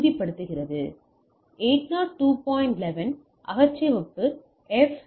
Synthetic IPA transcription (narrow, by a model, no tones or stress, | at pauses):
uːðipːɐɽɯt̪ːɯɣɪrɐðɯ | eːʈnaːʈːuːpɔːjɪɳʈlɛʋɐn | ʔɐɣɐt͡ʃːɪʋɔpːɯ | ɛf